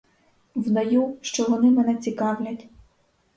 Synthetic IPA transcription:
wd̪ɐjuʃt͡ʃɔʋɔnɪmɛnɛt͡sʲikɑwlʲɐtʲ

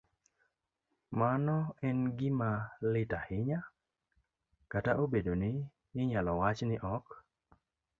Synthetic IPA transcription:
manɔɛnɡɪmalɪtahɪɲa | kataʔobedonɪ | jɪɲalɔwat͡ʃnɪʔɔk

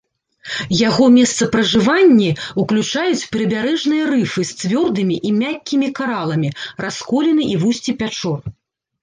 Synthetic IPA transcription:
jaɣɔmʲɛst̪sɐpɾɐʐɨvanʲːiuklʲut͡ʂajut͡sʲpʲɛɾɐbʲaɾɛʐnɨjɐɾɨfɨsʲvʲɔrd̪ɨmʲiʔimʲakʲːimʲikaɾalˠɐmʲiraskɔlʲɛnɨʔivusʲt͡sʲipʲat͡ʂɔr

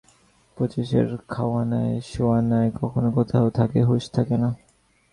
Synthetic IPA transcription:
pot͡ɕeʃḛɾkʰawanaeʃowanaekɔkʰonokɔt̪ʰaot̪ʰakeɦoʃt̪ʰakena

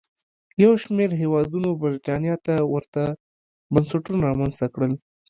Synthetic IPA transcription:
jawʃmeɾɦewɑd̪unobɪɾiʈɑnjɑt̪awəɾt̪a | bənsaʈunaɾɑmanzt̪akɽəl

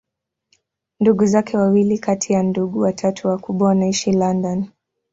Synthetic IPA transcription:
nduɠuzakʰɛwawilikatʰijanduɠuwatʰatʰuwakuɓwawanaiʃilandɔn

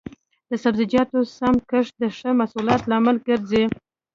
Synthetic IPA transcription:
d̪əsabzɪd͡ʒɑt̪osamkəʂ̚d̪əʂəmasulɑt̪lɑmalɡəɾze

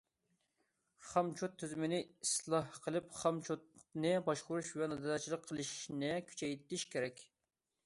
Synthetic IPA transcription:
χɑmt͡ʃʰut̪ʰːyzymɪnɪislˠɑhqʰəlˠɨpχɑmt͡ʃʰut̪̚nɨbɑʃqʊɾuʃvɛnɨd̪ɑɑt͡ʃʰilˠəqʰːəlˠɨʃnɪkʲʰy̥t͡ʃʰɛjt̪ɪʃkʲʰeɾɛkʲ

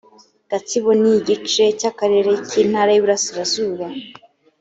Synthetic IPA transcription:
ɡ̥at͡siβoniɟit͡ʃe̞cakaɾe̞ɾe̞ciːn̥haːɾajiβuɾasiɾazuːβa

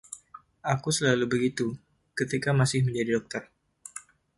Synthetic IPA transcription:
ʔakusəlalubəɡit̪u | kət̪ikamasɪhməɲd͡ʒadidɔk̚t̪ər

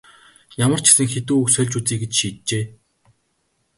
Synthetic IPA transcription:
jamə̆r̥t͡ɕʰɪ̥sɘ̆ŋxet̪uːuksœːɮt͡ɕut͡siːɡet͡ɕʃiːt̪̚t͡ɕeː

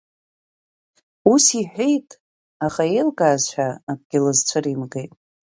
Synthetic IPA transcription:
usiħʷᶣejtʼ | aχaelɡaːzt͡ɕʷʰᶣaːkʷʼɡ̥ʲɪlɨzt͡ɕʷʰɨrimɡejtʼ

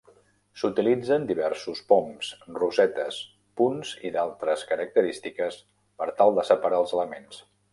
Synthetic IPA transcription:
sut̪ilid͡zənd̪iβ̞ɛɾsuspɔmsruzɛt̪əs | punziðalˠt̪ɾəskəɾək̚t̪əɾist̪ikəs | pəɾt̪alˠd̪əsəpəɾaəlˠzələmens

